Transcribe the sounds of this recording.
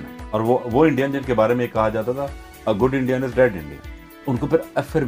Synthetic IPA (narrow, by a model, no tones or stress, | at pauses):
ɔːɾʋoʋoːɪ̃ɳɖijənd͡ʒɪnkebaːɾemẽeːkːɐɦad͡ʒaːt̪at̪ʰaː | ɡʊɖɪ̃ɳɖijənɪzɖɛːɖɪ̰̃ɳɖḭə̰n | ʊnkopɪɾɛfeɾ